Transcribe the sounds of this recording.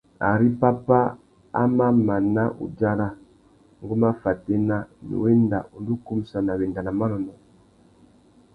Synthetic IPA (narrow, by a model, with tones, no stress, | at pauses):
a̰˨ɾi˦pa˦pa˦ | a̰˦ma˦ma˨na˦ʔṵ˨d͡ʒa˦ɾa˦ | ŋɡu˦ma˦fa˨tɛ˦na˦nḭ˨wɛ˦nda̰˨ʔu˨n˦du˦ku˦m̩˦sa˨na˨βɛ˨nda˨na˨ma˦nɔ˨nɔ˨